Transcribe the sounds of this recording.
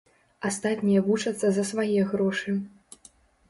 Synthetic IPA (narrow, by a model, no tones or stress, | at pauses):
ast̪at̪ʲnʲijɐvut͡ʂɐt̪sːɐzɐsvajɛɣɾɔʂɨ